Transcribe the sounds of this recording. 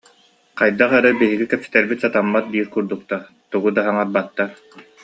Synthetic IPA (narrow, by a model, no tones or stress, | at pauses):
qajd̪aχɛɾɛbiɦiɡikɛpsɛ̥t̪ɛɾbit̪sat̪amːat̪̚d̪iːɾkuɾd̪uk̚t̪aɾ | t̪uɡud̪aɦaŋaɾbat̪ːaɾ